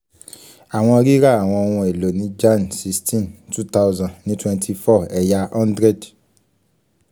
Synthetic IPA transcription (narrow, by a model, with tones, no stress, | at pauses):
a˨w̃ɔ̃˧ɔ˧ɾi˦ɾa˦˨a˨w̃ɔ̃˧ɔ˧w̃ɔ̃˧e˨lo˨nĩ˨˦d͡ʒa˦nsi˦˧stʰĩ˦ntu˦ta˦ʊzã˨ĩ˨˦twɛ̃˧ntʰi˧fɔ˦˨ɛ˨ja˧ɔ̃˦ndɾɛ˦˨d